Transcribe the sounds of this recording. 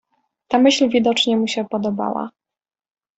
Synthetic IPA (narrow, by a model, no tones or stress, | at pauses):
t̪amɘɕlvʲid̪ɔt͡ʂɲɛmuɕɛpɔd̪ɔba̰wa̰